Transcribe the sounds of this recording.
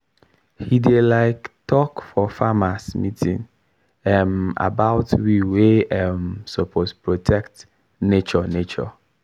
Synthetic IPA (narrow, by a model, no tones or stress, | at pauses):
hidelaɪktʰɔkfɔfamasmitʰḭ̃n | ɛma̰baʊtʰwiweɛmsopʰospʰɹotʰɛkt | net͡ʃɔnet͡ʃɔ̰